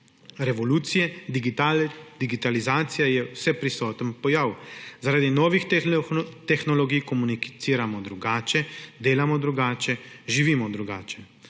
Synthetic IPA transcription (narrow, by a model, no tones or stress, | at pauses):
ɾɛʋɔluːt̪sijɛ | d̪̥iɡit̪alizaːt̪sijajɛwsɛpɾisɔːt̪ənpɔjawzaɾaːd̪inɔːʋix | t̪ɛxnɔlɔɡijkɔmunit̪siːɾamɔd̪ɾuɡaːt͡ʃɛd̪eːlamɔd̪ɾuɡaːt͡ʃɛʒiʋiːmɔd̪ɾuɡaːt͡ʃɛ